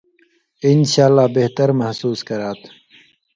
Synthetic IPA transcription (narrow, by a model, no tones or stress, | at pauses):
ɪnɕaːlːaːbeht̪əɾmɐhsuːskɐɾaːt̪